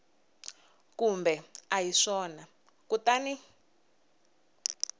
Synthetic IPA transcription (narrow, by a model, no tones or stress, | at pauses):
kumbɛajiʂɔna | kutani